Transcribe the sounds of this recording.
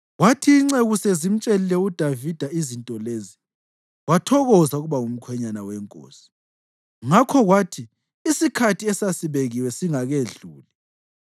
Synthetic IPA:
watʰiːŋ͡ǀeɣusezim̩t͡ʃʼelilɛud̥ʱavid̥ʱaizintʼɔleːzi | watʰɔɣɔzauɣuβaŋum̩kʰwɛɲanawɛŋkʼo̰ːsi̥ | ŋakʰɔɣwaːtʰiː | sikʰatʰiɛsasiβeɣiwɛsiŋaɣeɮuːli

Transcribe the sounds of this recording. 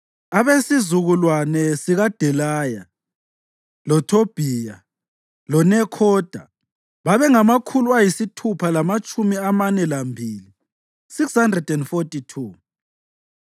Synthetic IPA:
aβesizuɣulwanɛsiɣad̥ʱɛlaja̰ | lɔtʰob̥ʱiːja | lɔnɛkʰɔːd̥ʱa̰ | βaβɛŋamakʰuluajisitʰupʰalamat͡ʃʼumiamanɛlambʱiːli | sikshandrɛdɛndfotʼitʰuː

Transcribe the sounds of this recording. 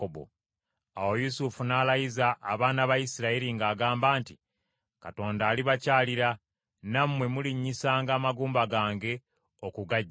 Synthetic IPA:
obo̰ | awo̞jusufunaːlajizaʔːβaːnaβajisiɾaiɾiŋɡaːɡaːmbaːnti | kato̞ːndaːliβacaːliɾa | namwe̞muliɲːisaːŋɡaːmaɡuːmbaɡaːŋɡe̞ | okuɡa

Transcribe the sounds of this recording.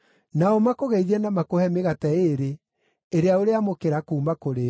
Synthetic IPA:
naɔmakoɣɛiðɛnamakohɛmeɣatɛeːɾe | eɾeaoɾeamokeɾakuːmakoɾe

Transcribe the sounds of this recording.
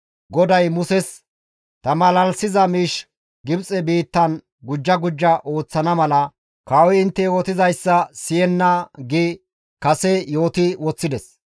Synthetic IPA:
ɡɔd̪ɐjmʊsɛs | t̪ɐmɐlɐlsɪzɐmiːʃ | ɡɪbt͡sʼɛbiːt̪ːɐn | ɡʊd͡ʒːɐɡʊd͡ʒːɐʔo̞ːt͡sːɐnɐmɐlɐ | kɐwɪɪnt̪ːɛjɔt̪ɪzɐjsːɐsɪjɛnːɐɡɪ | kɐsɛjo̞ːt̪ɪwɔt͡sːɪd̪ɛs

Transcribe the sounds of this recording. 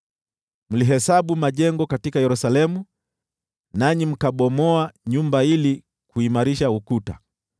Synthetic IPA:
m̩liɦɛsaɓumaʄɛŋɡɔkatikajɛɾusalɛmu | naɲim̩kaɓɔmɔaɲumbaili | kuimaɾiʃaukuta̰

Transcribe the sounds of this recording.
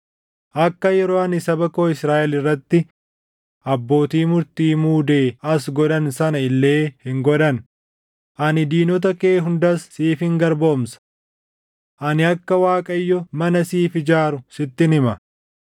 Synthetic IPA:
ʔɐkːɐjɛɾoːɐnɪsɐbɐkoːɪsɾaːʔɛlɪrːɐt̪ːɪ | ʔɐbːo̞ːt̪iːmʊɾt̪iːmuːd̪e̞ːɐsɡɔᶑ̪ɐnsɐnɐɪlːe̞ːhɪŋɡɔᶑ̪ɐn | ʔɐnɪd̪iːnɔt̪̬ɐkeːɦʊnd̪ɐsːiːfɪŋɡɐɾbo̞ːmsɐ̥ | ʔɐnɪɐkːɐwaːkʼɐjːɔmɐnɐsiːfɪd͡ʒaːɾʊsɪt̪ːɪnɪmɐ

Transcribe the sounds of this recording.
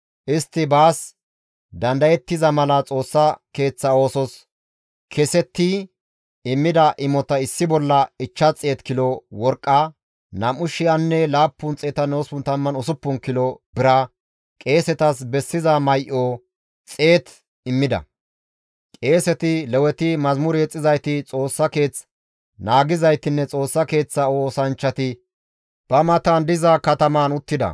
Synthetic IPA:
ʔɪst̪ːɪbaːs | d̪ɐnd̪ɐjɛt̪ːɪzɐmɐlɐt͡sʼo̞ːsːɐke̞ːt͡sːɐo̞ːsɔs | kʰɛsɛt̪ːɪ | ɪmːɪd̪ɐʔɪmɔt̪ɐɪsːɪbɔlːɐɪt͡ʃːɐt͡sʼːeːt̪kɪlɔwɔɾkʼːɐ | nɐmʊʃɪjɐnːɛlaːpːʊnt͡sʼeːt̪ɐnoːsʊnt̪ɐmːɐnɔsʊpːʊnkɪlɔbɪɾɐ | kʼe̞ːsɛt̪ɐsbɛsːɪzɐmɐjʔoː | t͡sʼe̞ːt̪ | ɪmːɪd̪ɐ̰ | kʼe̞ːsɛt̪ɪlɛwɛt̪ɪmɐzmʊɾeːt͡sʼːɪzɐjt̪ɪt͡sʼo̞ːsːɐke̞ːt͡s | naːɡɪzɐjt̪ɪnːɛt͡sʼo̞ːsːɐke̞ːt͡sːɐoːsɐnt͡ʃːɐt̪ɪ | b̥ɐmɐt̪ɐnd̪ɪzɐkɐt̪ɐmanʊt̪ːɪd̪ɐ̰

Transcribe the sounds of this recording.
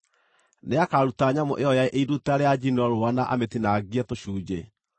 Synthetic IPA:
neakaɾutaɲamoʔeɔjaeʔeiɾutaɾead͡ʑinɔɾoanaʔa̰metinaɡiɛtoɕuːd͡ʑe

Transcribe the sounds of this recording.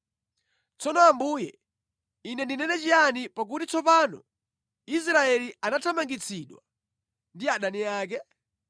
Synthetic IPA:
t͡sɔnɔambuːjɛ | inɛndinɛnɛt͡ʃianipak̬utit͡sɔpanɔ̰ | is̬ɾaɛlianatʰamaŋɡit͡sʰiɗwa | ndiaɗaniaːk̬ɛ

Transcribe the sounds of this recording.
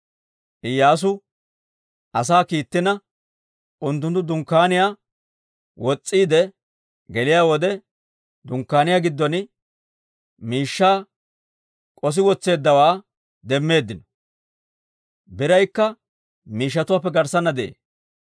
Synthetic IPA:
ʔɪjːaːs̬ʊ | ɐs̬aːkiːt̪ːɪnɐ | ʔʊnt̪ːʊnt̪ːʊd̪ʊŋkːaːnɪjaː | wɔt͡sʼːiːd̪ɛ | ɡɛlɪjaːwɔd̪ɛ | d̪ʊŋkːaːnɪjaːɡɪd̪ːɔnɪ | miːʃːaː | kʼɔs̬ɪwɔt͡sːe̞ːd̪ːɐwaː | d̪ɛmːe̞ːd̪ːɪnɔ | bɪɾɐjkːɐ | miːʃ̬ːɐt̪ʊwaːpːɛɡɐɾsɐnːɐd̪ɛʔḛː

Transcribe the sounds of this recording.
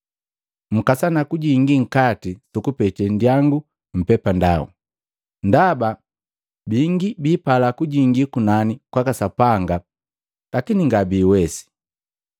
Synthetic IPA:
m̩kasanakuɟiŋɡiŋ̩katisukupɛtɛndiaŋɡu | m̩pɛpandaṵ | ndaba | biŋɡibiːpalakuɟiŋɡikunanikwakasapaŋɡa | lakiniŋɡabiːwɛsi̥

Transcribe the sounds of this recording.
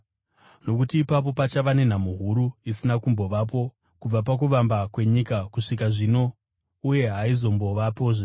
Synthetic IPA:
no̞kutiːpap̬o̞pat͡ʃaʋane̞namuɦuɾuisinakumbo̞ʋap̬o̞ | kub͡vap̬ak̬uʋambakwe̞ɲikakuʂikaʐino̞ | uje̞ɦaizo̞mbo̞ʋapo̞ːʐe

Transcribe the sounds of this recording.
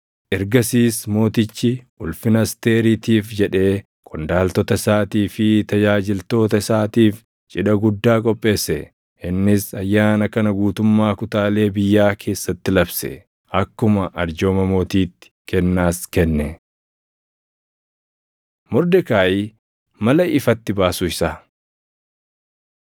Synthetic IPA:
ʔɛɾɡɐsiːsmo̞ːt̪ɪt͡ʃːɪʔʊlfɪnɐst̪e̞ːɾit̪iːfd͡ʒɛᶑe̞ː | kʼʊnd̪aːlt̪ɔt̪ɐsaːt̪iːfɪt̪ɐd͡ʒaːd͡ʒɪlt̪o̞ːt̪ɐɪsaːt̪iːf | t͡ʃʼɪᶑɐɡʊd̪ːaːkʼɔpʼːe̞ːsːɛ | ɪnːɪsɐjːaːnɐkɐnɐɡuːt̪ʊmːaːkʊt̪aːle̞ːbɪjːaːkʰe̞ːsːɐt̪ːɪlɐbsɛ̰ | ɐkːʊmɐʔɐɾd͡ʒoːmɐmo̞ːt̪iːt̪ːɪ̥kɛnːaːskɛnːɛ | mɔɾd̪ɛkaːʔi | mɐlɐɪfɐt̪ːɪbaːsʊɪsaː

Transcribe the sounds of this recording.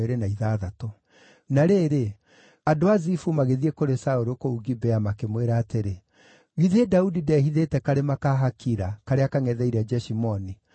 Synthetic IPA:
eɾenaiðaːðatɔ | naɾeːɾe | adoazifumaɣeðiekoɾesaoɾokouɡibɛamakemweɾaːteɾe | ɣiðedaudidɛhiðetɛkaɾemakaɦakʰiɾakaɾeakaŋɛðɛiɾɛd͡ʒɛʃimɔni

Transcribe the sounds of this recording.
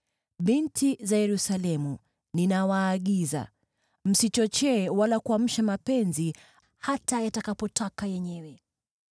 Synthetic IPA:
ɓintʰizajɛɾusalɛmu | ninawaːɠiza̰ | m̩sit͡ʃɔt͡ʃɛːwalakuam̩ʃamapɛnzi | hatajatakapɔtakajɛɲɛwɛ

